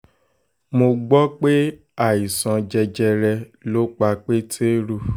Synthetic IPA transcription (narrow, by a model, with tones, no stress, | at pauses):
mo˧ɡ͡bɔ˦k͡pe˦ | a˦˨i˨sã˧d͡ʒɛ˧d͡ʒɛ˧ɾɛ˧lo˦k͡pa˧k͡pe˦tʰe˦ɾu˦˨